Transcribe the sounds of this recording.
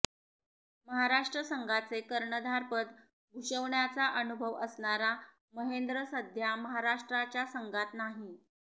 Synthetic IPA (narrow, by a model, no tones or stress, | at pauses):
məɦaɾaʂʈɾəsəŋɡʱat͡sekəɾɳəd̪ʱaɾpət̪ | ɡʱuɕəʋɳjat͡saʔənubʱəʋəsɳaɾa | məɦend̪ɾəsəd̪ʱjaməɦaɾaʂʈɾat͡ɕjasəŋɡat̪naɦi